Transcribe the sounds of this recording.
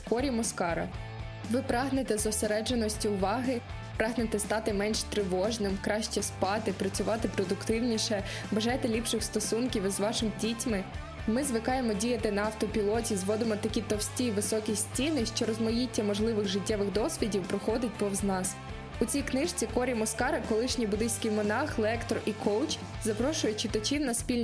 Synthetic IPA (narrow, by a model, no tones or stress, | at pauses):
kɔɾʲimɔskɑɾɐ̰ | ʋɪpɾɑɦnet̪ɛzɔseɾɛd͡ʒenɔsʲtʲiʊʋɑɦɪ | pɾɑɦnet̪ɛst̪ɑt̪ɪmɛnʃt̪ɾɪʋɔʒnɪmkɾɑʃt͡ʃɛspɑt̪ɪpɾɐt͡sʲʊʋɑt̪ɪpɾɔd̪ʊkt̪ɪwnʲiʃɛ | bɐʒɑjt̪ɛlʲipʃɪxst̪ɔsunkʲiwzʋɑʃɪmdʲitʲmɪ | mɪzʋɪkɑjemɔdʲijɐt̪ɪnɐɐwt̪ɔpʲilˠɔtʲizʋɔd̪ɪmɔt̪ɐkʲit̪ɔwsʲtʲiʋɪsɔkʲisʲtʲinɪʃt͡ʃɔɾɔzmɔjitʲːɐmɔʒlˠɪʋɪɣʒɪtʲːɛʋɪɣd̪ɔsʲʋʲidʲiwpɾɔxɔd̪ɪt̚ʲpɔwznɑs | ʊt͡sʲijknɪʃt͡sʲikɔɾʲimɔskɑɾɐkɔlˠɪʃnʲibʊd̪ɪsʲkʲiwmɔnɑxlˠɛkt̪ɔrikʰɔwt͡ʃ | zɐpɾɔʃʊjʊt͡ʃɪt̪ɐt͡ʃiwnɐspʲilʲ